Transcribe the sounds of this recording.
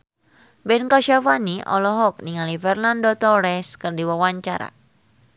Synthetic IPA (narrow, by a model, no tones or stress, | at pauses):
bɛnkɔʃafaniʔɔ̰lɔɦɔk̚niŋalifɛrnandɔt̪ɔɾɛskɨrdiwawaɲt͡ʃaɾa̰